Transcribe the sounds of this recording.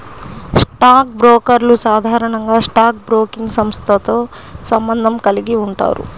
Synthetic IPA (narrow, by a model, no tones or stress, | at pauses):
sʈaːk̚bɾoːkɐɾlusaːd̪ʱaːɾɐɳɐŋɡaːʂʈaːk̚bɾoːkiŋɡsɐmst̪ʰɐt̪oː | sɐmbɐnd̪ʱɐmkɐliɡiuɳʈa̰ːɾṵ